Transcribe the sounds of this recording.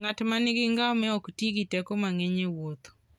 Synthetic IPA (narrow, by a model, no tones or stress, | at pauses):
ŋatmanɪɡɪŋɡaɔmɛɔktiɡitɛkɔmaŋɛɲewot̪o̥